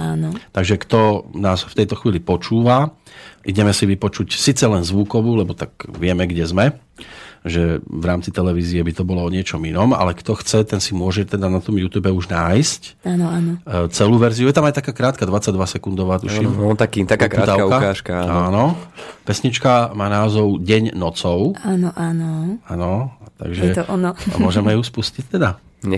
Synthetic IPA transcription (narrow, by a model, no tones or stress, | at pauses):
anɔt̪aɡʒɛkt̪ɔnaːsft̪ɛjt̪ɔxʋiːlipɔt͡ʃuːʋa | ʔiɟɛmɛsiʋipɔt͡ʃucsiːt͡sɛlɛnzʋukɔʋuːlɛbɔt̪aɡʋɪɛmɛɡɟɛzmɛ | ʒɛʋɾaːmt͡sit̪ɛlɛʋiːziɛbit̪ɔbɔlɔɔɲɪɛt͡ʃɔminɔma̰lɛkt̪ɔxt͡sɛt̪ɛnsimʊɔʒɛt̪ɛd̪anat̪ɔmjuːt̪uːbɛuʒnaːjscanɔanɔt͡sɛluːʋɛɾziujɛt̪amajt̪akaːkɾaːt̪̚kad̪ʋat͡saɟd̪ʋasɛkund̪ɔʋaːt̪uʃimt̪akit̪akkɾt̪aakaaʃkaanɔanɔpɛsɲit͡ʃkamaːnaːzɔʊɟɛɲnɔt͡sɔʊanɔʔanɔanɔt̪a̰ɡʒɛt̪ɔɔnɔmʊɔʒɛmɛjuspuscict̪ɛd̪a